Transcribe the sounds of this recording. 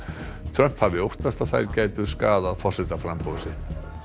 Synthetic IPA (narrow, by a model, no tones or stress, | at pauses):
t̪ʰɾœm̥phavɪowht̪ast̪aðθa̰jɾcaːjt̪ʏskaːðaðfɔr̥sɛt̪afɾampowðʏsɪht̪